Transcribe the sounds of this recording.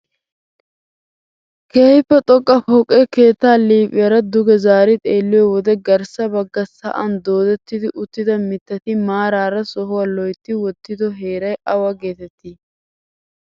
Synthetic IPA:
kʰeːhɪpːɛt̪ʼɔkʼːɐfɔkʼːɛke̞ːt̪ːaːliːpʼɪjɐɾɐd̪ʊɡɛzaːɾɪt̪ʼeːlːɪjɔwɔd̪ɛɡɐɾsɐbɐɡːɐsɐ̰ʔɐnd̪o̞ːd̪ɛt̪ːɪd̪ɪʔʊt̪ːɪd̪ɐmɪt̪ːɐt̪ɪmaːɾaːɾɐsɔɦʊwɐlɔjt̪ːɪwɔt̪ːɪd̪ɔɦeːɾɐjʔɐwɐɡeːt̪ɛt̪ːɪ

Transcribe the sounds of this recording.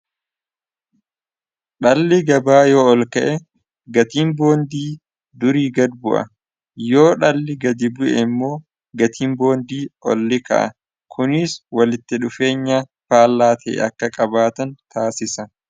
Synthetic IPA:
ɗɐlːɪɡɐbaːjo̞ːɔlkɐʔɛ | ɡɐt̪iːmbo̞ːnd̪iː | d̪ʊɾiːɡɐd̪bʊʔɐ̰ | jo̞ːᶑɐlːɪɡɐd̪ɪbʊʔɛmːo̞ː | ɡɐt̪ʰiːmbo̞ːnd̪iːɔ̰lːɪkɐ̰ʔɐ̰ | kʰʊnɪswɐlɪt̪ːɪᶑʊfe̞ːɲːaː | faːlːaːt̪ʰɛ̰ːʔɐkːɐkʼɐbaːt̪ɐnt̪ʰaːsɪsɐn

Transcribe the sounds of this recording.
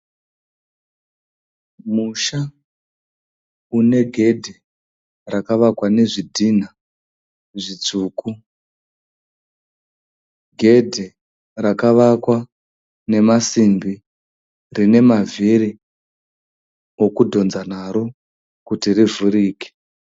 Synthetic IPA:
muʃa | une̞ɡʱe̞dʱe | rakaʋakwane̞ʐidʱin̤a | ʐit͡suːku | ɡʱe̞dʱe | rakaʋakwa | ne̞masimbi | rine̞maviri | okudʱo̞nzan̤aɾo | kutirivuɾiːke̥

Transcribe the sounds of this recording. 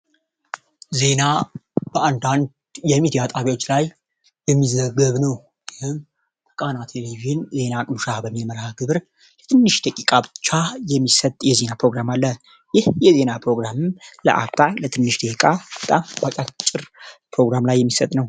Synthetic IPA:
ze̞nab̥əand̪and̪ | jɛmid̪ijat̪ʼaβiwo̞t͡ʃːlaj | jɛmːizəɡəβnəw | jɪhɨm | əkʼanat̪ʰeleβiʒnze̞nakʼmuʃabəmːilməɾaɡɨβɨɾ | lɛt̪ʰɨnːɨʃd̪əkʼikʼabɨt͡ʃːajɛmːisət̪ʼjɛze̞napɾo̞ɡɾamalːə | jɪhjɛze̞napʰɾo̞ɡɾamɨmlə̰ʔa̰βt̪ʰalət̪ʰɨnːɨʃd̪əkʼab̥ət̪ʼambat͡ʃʼat͡ʃʼːɨɾpʰɾo̞ɡɾamlajːɛmːisət̪ʼnəw

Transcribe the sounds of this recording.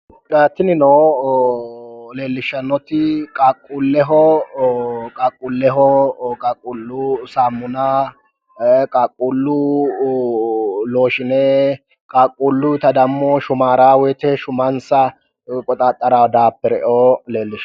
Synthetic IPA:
daːt̪ːɪnɪnoː | le̞ːlːɪʃːɐnːɔt̪ɪkʼaːkʼːulːɛɦɔ | kʼaːkʼːulːɛɦɔkʼakʼːʊlːʊsaːmːʊna | kʼaːkʼːulːʊ | loːʃɪnɛ | kʼaːkʼːulːʊt̪ɐd̪ɐmːoːʃʊmaːɾaːwɛt̪ɛʃʊmɐnsɐ | kʼɔt̪ʼaːt̪ʼːɐɾawd̪aːpːɛɾɛʔoːleːlːɪʃ

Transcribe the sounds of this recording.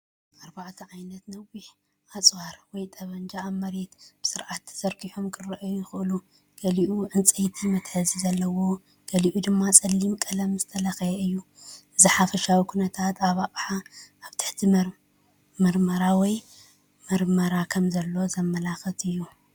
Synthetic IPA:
ʔaɾbaʕt̪ʰɐʕajnɐt̪nɐwiħ | ʔat͡sʼwaɾwɔjt̪ʼɐβɐnd͡ʒaːmːɐɾet̪b̥ɨ̥sɨɾʕat̪ʰːzɐɾkʰiħomkʰɨrɐʔjujɪxɨʔɨlu | ɡ̥ɐliʔuʔɨnt͡sʼɐjt̪ʰimɐt̪ħɨzizɐlːɐwo̞ | ɡ̥ɐliʔud̪ɨmːat͡sʼɐlːimkʼɐlɐmzɨt̪ʰɐlɐxɐjɛɨjːu | ʔɨzɨħafɐʃawikʰunɐt̪ʰat̪ʰaβaʔʼħaaβt̪ʰɨ̥ħt̪ʰi | mɐɾmɐɾawɔj | mɐɾmɐɾakʰɐmzɐlːo̞zɐmːɐlaxɐt̪ɨjːu

